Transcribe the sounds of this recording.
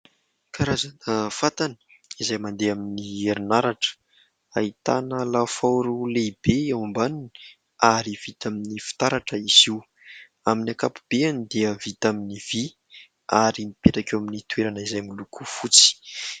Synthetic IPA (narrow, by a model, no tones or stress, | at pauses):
kʰaɾazanəfat̪anə̥ | izajmand̪eaminieɾunaɾaʈ͡ʂə̥ | ait̪anəlafawuɾuleib̥eawambanuni̥ | aɾiv̥it̪aminifi̥t̪aɾaʈ͡ʂəiziw | aminakapub̥eanid̪eəvit̪aminiv̥i | aɾimipeʈ͡ʂakʲwaminit̪uweɾanəizajmilukʰufut͡si̥